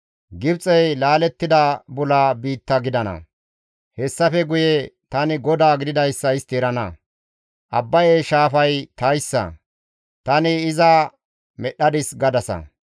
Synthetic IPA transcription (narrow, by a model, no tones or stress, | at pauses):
ɡɪbt͡sʼɛjlaːlɛt̪ːɪd̪ɐbʊlaːbiːt̪ːɐɡɪd̪ɐnɐ̰ | hɛsːɐfɛɡʊjɛt̪ɐnɪɡɔd̪aːɡɪd̪ɪd̪ɐjsːɐɪst̪eɾɐnɐ | ʔɐbːɐjeʃaːfɐjt̪ɐjsːɐ̰ | t̪ɐnɪːzɐ | mɛɗːɐd̪ɪsɡɐd̪ɐsɐ̰